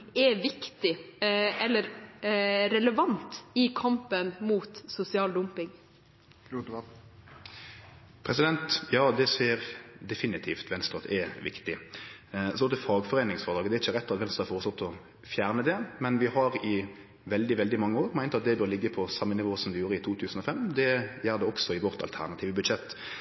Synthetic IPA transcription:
ɛʋɪkt̪ɪ | ɛlːəɾ | ɾɛləʋɑnt̪ɪkʰɑmpənmuːt̪sʊsɪɑːld̪ʊmpɪŋ | pʰɾɛsɪd̪ɛnt̪jɑːd̪ɛseːəɾd̪ɛfɪnɪt̪ʰiːft̪ʰʋɛnst̪ʁɑt̪ɛʋɪ̰kt̪ɪ | sɔɛfɑːɡfɔɾeːnɪŋsfɔʁd̪ɑːɡd̪ɛæɾɪçːəɾɛt̪ːɑt̪ʋɛnst̪ʁɑfoːʁəsɔt̪ːɔ | fjæːʁnəd̪ɛmɛnʋɪhɑʁɪ | ʋɛld̪ɪʋɛld̪ɪmɑŋːəoːɾmæɪnɑt̪̚d̪ɛbøːʁlɪɡːəpʰɔsɑmːənɪʋoːsɔmd̪ɛɪjuːɾəɪt̪ʰuːt̪ʰʉːsn̩ɔfɛmːd̪ɛjæʁd̪ɛɔksɔɪʋɔʁt̪ɑ̰lt̪ʰæ̰ʁnɑt̪ʰiːʋəbʉd̪ʃɛt̪ː

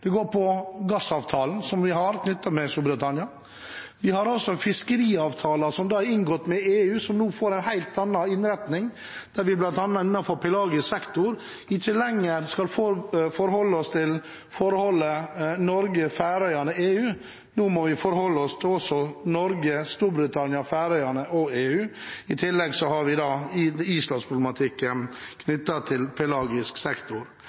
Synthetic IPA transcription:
d̪̥ɛɡoːɾpʰɔɡɑsɑːʋt̪ʰɑːln̩sɔmʋɪɦɑɾkʰnʏt̪ːɑmɛst̪uːbɾət̪ɑnɪɑ | ʋɪhɑɾɔsɔɛnfɪskəɾiːɑːʋt̪ʰɑːlɑsɔmd̪ɑːæɾɪnɡɔt̪ːmɛeːʉːsɔmnuːfoːɾɛɪnhæɪlt̪ɑnːɑɪnɾɛt̪nɪŋ | d̪̥æɾʋɪblɑnt̪ɑnːɑt̪ɪnːɑfɔɾpʰɪlɑːɡəsɛkt̪ʊɾ | ɪçːəlɛŋːəɾskɑlfɔfɔɾhɔlːəɔst̪ʰɪl | fɔɾhɔlːənɔɾɡəfæːɾœʏɑnəeːʉː | nuːmɔʋɪfɔɾhɔlːəɔst̪ʰɪɔsɔnɔɾɡəst̪uːɾbɾɪt̪ʰɑnjɑfæːɾœʏɑnəɔeːʉːɪt̪ʰɪlːɛɡsɔhɑɾʋɪd̪ɑːiːslɑnspʰɾʊb̪ɛmɑt̪ʰɪkːənkʰnʏt̪ːɑt̪ʰɪlpʰɪlɑːɡɪsksɛkt̪ʊɾ

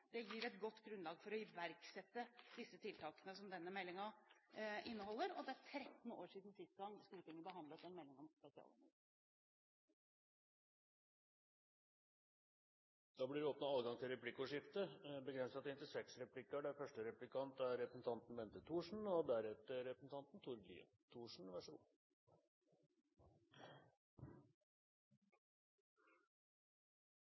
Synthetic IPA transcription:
d̪̥ɛjɪɾɛt̪ɡɔt̪ːɡɾʉnlɑːɡfɔɾɔʋæɾksɛt̪ːəd̪ɪsːət̪ʰɪlt̪ʰɑːkənəsɔmd̪ɛnːəmɛlːɪŋɑ | ʔɪnːəhɔlːəɾɔd̪ɛæɾt̪ʰɾɛt̪n̩o̰ːʂiːd̪n̩sɪst̪̚ɡɑŋsklɪt̪ʰɪŋːəbəɦɑnd̪lət̪ɛnmɛlːɪŋɔmspɛsɪɑ̰l̰nɛ̰ | d̪̥ɑːblɪʋɪoːpnɑɑːlɡɑŋt̪ʰɪlɾɛpʰlɪkːʊʂɪft̪əbəɡɾɛnsɑt̪hɪnt̪ɪlsɛksɾɛplɪkːəɖɛæfœʂʈəɾɛplɪkʰɑnt̪æɾɛpɾəsn̩t̪ʰɑnt̪n̩ʋɛnt̪ət̪ʰuːʂɳ̩ɔd̪æɾɛt̪əɾɛpɾəsn̩t̪ʰɑnt̪n̩t̪ʰʊɾɡ̪ḭː | t̪ʰuːʂɳ̩ʋæʂlṵː

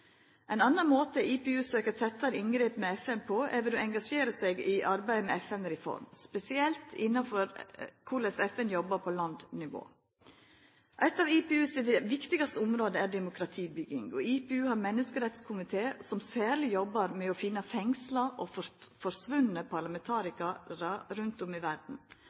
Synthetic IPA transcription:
ɛɪnɑnːɑnmoːt̪əiːpɛʉːsøːkəɾt̪ʰɛt̪ːɑɾɪŋɡɾeːpmɛɛfɛnpʰɔɛɾʋɛd̪oɛŋɡɑʂeːɾəsɛɡɪʔɑɾbæɪmɛɛfɛnɾɛfɔ̰ɾmspɛsɪɛlt̪ʰɪnːɑfɔɾkʰʊɭɛsɛfɛnjɔbːɑɾpʰɔlɑnd̪nɪʋo̰ː | ʔæɪt̪ɑʋipɛʉːsd̪ɛʋɪkt̪ɪɡɑst̪əʊmɾoːd̪əæɖɛmʊkʰɾɑt̪ʰiːbʏɡɪŋɔipɛʉːhɑɾmɛnːəskəɾɛt̪skʰʊmɪt̪ʰeːsɔmsæːɾlɪjɔbːɑɾmɛɔfɪnːɑfɛŋslɑʔɔffɔɾsʋʉnəpʰɑɾlɑmɛnt̪ʰɑːɾɪkɑɾɑɾʉnt̪ɔmɪʋæɾɖn̩

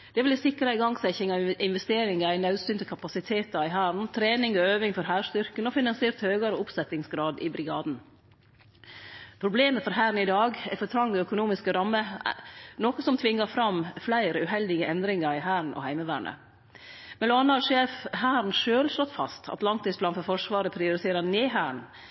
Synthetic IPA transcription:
d̪̥ɛʋɪlæsɪkːɾɪɡɑŋsæɪçɪŋɑɪnʋɛst̪eːɾɪŋɑæɪnɑʉsʏnt̪əkʰɑpɑsɪt̪ʰeːt̪ɑɾɪɦæːɾɳ̩t̪ʰɾeːnɪŋɔøːʋɪŋfɔɾhæːʂt̪ʏɾkənɔfɪnɑnsɪeːɾt̪høːɡɑɾəʊpsɛt̪ɪŋsɡɾɑːd̪ɪ̰bɾɪɡɑːd̪n̩ | pʰɾʊbleːməfɔɾhæːɾn̩ɪd̪ɑːɡɛfɔt̪ʰɾɑŋːəœkʊnuːmɪskəɾɑmːə | noːkəsɔmt̪ʰʋɪŋːɑfɾɑmflæɪɾəʉːɦɛld̪ɪɡəʔɛnd̪ɾɪŋɑɾɪɦæːɾɳ̩ʔɔ̰hæɪməʋæ̰ːɳʔə̰ | mɛloɑnəɑʂeːfhæːɾɳ̩ʃøːlʂlɔt̪fɑ̰st̪ʰɑ̰t̪lɑŋt̪iːsblɑːnfɔɾfɔʂʋɑːɾəpʰɾɪʊɾɪt̪ʰeːɾəneːɦæːɳ

